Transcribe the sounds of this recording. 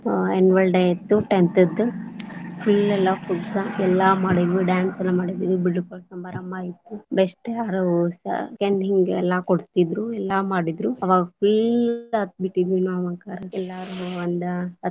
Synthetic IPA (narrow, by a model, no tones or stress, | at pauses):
enʋɐlɖejt̪ːuʈent̪ɐd̪ːɨ | pʰilɛlːɐkuʈsɐɛlːamaːɽid̪iɖjaːnsɐlːɐmaːɽid̪id̪ubiɖːukɔɭsɐmbɐɾɐmbaːjit̪ːubeʂʈjaːɾusɐ̰keɳɖɦiŋɡɛlːɐkoɽt̪id̪ɾuɛlːamaːɽid̪ɾuɐʋaːɡɐpilɐt̪biʈidinoɐʋɐŋkaːɾɐɛlːaːɾuɐnd̪ɐɐ